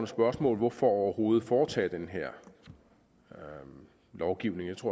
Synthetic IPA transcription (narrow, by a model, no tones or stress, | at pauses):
nsb̥ɶɐsmɔ̰ːlʋɒfɒɒʊɐho̝ːð̞̩ˠfɒːt͡sʰɛ̰ːd̥enɦeɐ̰ | lɒʊɡ̥iʊne̝ŋjat͡sʰʁo̝̰